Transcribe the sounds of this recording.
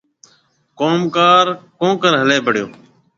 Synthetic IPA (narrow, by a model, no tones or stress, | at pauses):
koːmkaːɾkõːkəɾɦəleːbəɽɪjo̰ː